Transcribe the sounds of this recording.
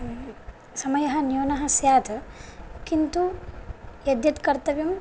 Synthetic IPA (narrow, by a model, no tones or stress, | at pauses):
sɐmɐjɐɦɐ̆njuːnɐɦɐ̆sjaːt̪ʰɐkint̪u | jɐd̪jɐt̪kɐɾt̪ɐʋjɐm